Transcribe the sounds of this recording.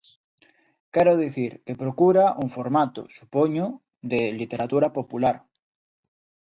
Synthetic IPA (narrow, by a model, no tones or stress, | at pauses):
kɛɾoðiθiɾkepɾokuɾaʔuŋfoɾmat̪o̰su̥poɲo | d̪elit̪eɾat̪uɾapopulaɾ